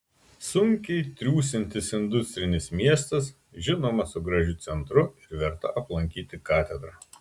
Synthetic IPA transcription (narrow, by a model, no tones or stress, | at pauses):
sʊŋʲkʲɛɪt̪ʲɾʲuːsʲɪnʲt̪ʲɪsɪnd̪ʊsʲt̪ʲɾʲɪnʲɪsmʲiɛst̪ɐs | ʒʲɪnoːmɐsʊɡɾɐʒʲʊt̪sʲɛnt̪ɾʊɪɾʋʲɛɾt̪ɐ̰ʔɐplˠɐŋʲkʲiːt̪ʲɪkɑːt̪ʲɛd̪ɾɑː